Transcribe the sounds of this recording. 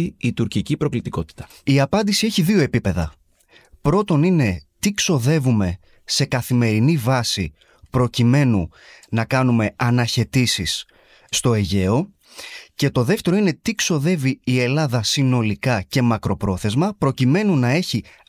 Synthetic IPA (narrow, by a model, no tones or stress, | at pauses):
iit̪uɾcicipɾo̞klit̪iko̞t̪i̥t̪ɐ̥ | iɐpɐnd̪isieçiðio̞e̞pipe̞ðɐ̰ | pɾo̞t̪o̞nine̞t̪ikso̞ðe̞vume̞ | se̞kɐθime̞ɾinivɐsḭ | pɾo̞cime̞nu | nɐkɐnume̞ɐnɐçe̞t̪isisː | t̪o̞e̞ʝe̞o̞ | ce̞t̪o̞ðe̞ft̪e̞ɾo̞ine̞t̪ikso̞ðe̞viːe̞lɐðɐsino̞likɐce̞mɐkɾo̞pɾo̞θe̞zmɐpɾo̞cime̞nunɐe̞çi